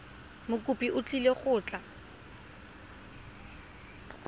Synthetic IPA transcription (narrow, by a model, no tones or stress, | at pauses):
mʊkʼupʼiʔʊt͡ɬʼileχʊːt͡ɬʼa